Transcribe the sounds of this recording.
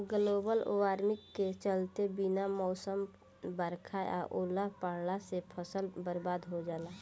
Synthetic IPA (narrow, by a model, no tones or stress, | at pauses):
ɡəloːbəlo̰ːʋaːɾmɪkːet͡ʃəlt̪ebinamɔːsəm | bəɾkʰaa̰ʔoːlapəɽlasepʰəsəlbəɾbaːd̪ɦod͡ʒaːla